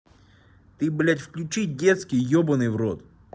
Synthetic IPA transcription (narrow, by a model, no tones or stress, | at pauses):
t̪ɨblʲatʲfklʲʉt͡ɕit̚ʲdʲet̪skʲijjobənɨjvrot̪